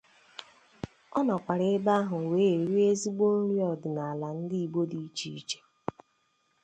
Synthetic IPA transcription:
ɔ˦nɔ˨kʷa˨ɾe˦ba˦ɦʊ˨weː˨˦e˨ɾi˦e˦zi˦ɡ͡bo˦ɾi˦ɔ˨dɪ˨na˨a˨la˨n̩˦di˦i˨ɡ͡bo˦di˨˦t͡ʃi˨i˦t͡ʃe̥˦

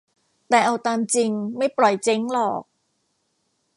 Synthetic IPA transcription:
t̪ɛː˨˩ʔa˧wt̪aː˧mt͡ɕi˧ŋma˥˩jpɾɔ˨˩jt͡ɕe˧˦˥ŋlɔː˨˩k̚

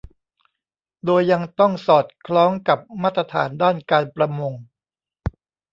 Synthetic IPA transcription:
doː˧jːa˧ŋt̪ɔ˥˩ŋsɔː˨˩t̪̚kʰlɔː˦˥ŋka˨˩p̚maː˥˩t̪ːɾa˧t̪ʰa̰ː˩˦ndaː˥˩nkaː˧npɾa˧mo˧ŋ

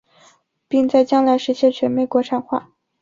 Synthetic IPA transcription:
pi˥˧ŋt͡sa˥˧ɪt͡ɕjɑ˥ŋla˧˥ɪʂɻ̩˧˥ɕʰjɛ˥˩t͡ɕʰɥɛ˧˥nme˥˩ɪkwɔ˧˥ʈ͡ʂʰa˧˥nxwa̰˥˩

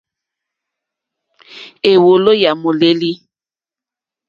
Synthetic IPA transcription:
e˨wo˨lo˦ja˨mo˨le˦li˦

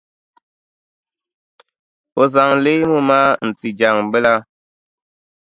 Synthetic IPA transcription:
o˨za˨ŋle˦mu˦ma˦n̩˨t͡si˨d͡ʒa˨ŋ˨bə˦la˦

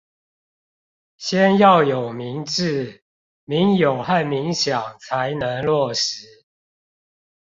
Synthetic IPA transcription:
ɕjɛ˦njɑ˥˨ʊjo˨˩ʊmi˨˦ŋʈ͡ʂɻ̩˥˨ | mi˨˦ŋjo˨˩ʊxa˥˨nmi˨˦ŋɕjɑ˨˩ŋt͡sʰa˨˦ɪnə˧˦ŋlwɔ˥˨˩ʂ̩˨˦

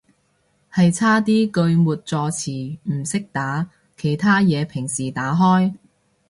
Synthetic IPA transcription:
hɐ˨jt͡sʰaː˥t̪iː˥kɵ˧ɥmuː˨t̚t͡sɔː˨˧t͡sʰiː˨˩m̩˨˩sɪ˥k̚t̪aː˨˥ | kʰe˨˩jt̪ʰaː˥jɛː˨˧pʰɪ˨˩ŋsiː˨˩t̪aː˨˥ɦɔː˥j

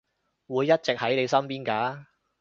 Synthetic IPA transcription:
wuː˨˧jːɐ˥t̚t͡sɪ˨k̚hɐ˨˥jne˨˧jsɐ˥mpiː˥nkaː˨˥

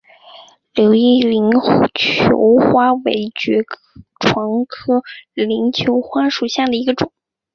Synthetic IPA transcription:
ljo˧˥ʊi˥˩li˧˥ŋxt͡ɕʰjo̰˧˥ʊxwa˥wḛ˧˥ɪt͡ɕɥɛ˧˥kʈ͡ʂʰwɑ˧˥ŋkʰɤ˥li˧˥ŋt͡ɕʰjo˧˥ʊxwa˥ʂu˨˩ɕja˥˩d̪ə˩i˧˥ɡə˧ʈ͡ʂʊ˨˩˦ŋ

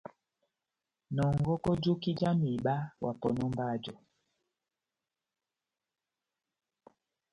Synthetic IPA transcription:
nɔ˨ŋɡɔ˦kɔ˦d͡ʒu˦ki˦d͡ʒa˦mi˨ɓa˦wʔa˨pɔ˨nɔ˦mba˦˨d͡ʒɔ˨

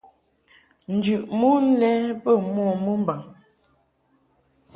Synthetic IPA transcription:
n̩˨d͡ʒʉ˨ʔmu˦n̩˦lɛ˦pə˦˨mwɔ˦˨mə˦m˦ba˨ŋ

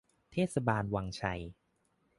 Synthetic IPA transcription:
t̪ʰeː˥˩t̪̚sa˧baː˧nwaː˧ŋt͡ɕʰa˧j

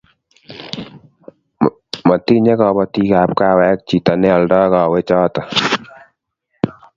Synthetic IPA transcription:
mɔ˨ti˦ɲɛ˦kɔ˨bɔ˦ti˦ka˨p̚ka˦wɛ˨˦k̚t͡ʃi˨ta˨nɛ˦ɔ˨ldɔ˦kɔ˨wɛ˦t͡ʃɔː˦tɔ˨

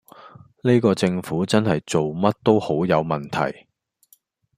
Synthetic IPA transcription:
ne˥kɔː˧t͡sɪ˧ŋfuː˨˥t͡sɐ˥nhɐ˨jt͡so˨wmɐ˥t̚t̪o˥who˨˥wjɐ˨˧wmɐ˨˩nt̪ʰɐ̰˨˩j

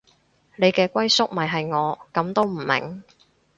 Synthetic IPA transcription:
ne˨˧jkɛː˧kʷɐ˥jsʊ˥k̚mɐ˨˩jɦɐ˨jŋɔː˨˧kɐ˨˧˥mt̪o˥wm̩˨˩mɪ̰˨˩ŋ

